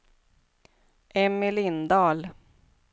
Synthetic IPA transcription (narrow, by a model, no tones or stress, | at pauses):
ʔɛmɪlɪnd̪ɑːl